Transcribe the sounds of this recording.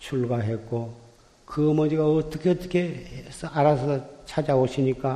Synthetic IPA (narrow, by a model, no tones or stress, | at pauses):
t͡ɕʰuɭɡaɦe̞k͈o | kɯʌmʌd͡ʑiɡaʌt͈ʌkʰeʌt͈ʌkʰe̞esʌaɾasʰʌt͡ɕʰad͡ʑaboɕʰiɲik͈a